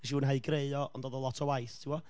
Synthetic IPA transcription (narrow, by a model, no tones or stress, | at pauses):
ɛʃ̬iuːnɦaɨɡreɨɔʔɔ̰ndoːðɔlˠɔtʰɔwajθtʰiwɔ